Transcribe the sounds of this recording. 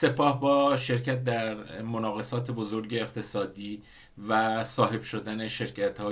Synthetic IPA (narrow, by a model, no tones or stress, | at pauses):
sepʰɒːhbɒːʃe̞ɾcʰæt̪̚d̪æɾmonɒːɣe̞sɒːt̪ʰe̞bo̞zoɾɟe̞ːqt̪ʰe̞sɒːd̪iː | væsɒːɦe̞b̥ʃo̞d̪æne̞ʃe̞ɾcʰæt̪hɒː